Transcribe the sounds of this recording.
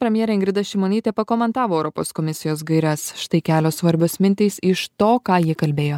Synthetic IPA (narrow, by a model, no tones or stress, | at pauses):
pʲɾʲɛmʲjɛɾʲɛɪŋɡɾʲɪd̪ɐʃʲɪmoːnʲiːt̪ʲɛːpɐkoːmʲɛnt̪ɑːʋoːɛʊɾɔpo̰ːskomʲɪsʲɪjoːsɡɐɪɾʲɛsʃt̪ɐɪkʲæːlʲoːsʋɐɾʲbʲʊsmʲɪnʲt̪ʲɛɪsɪʃt̪oːkɑːjiɛkɐlʲbʲeːjoː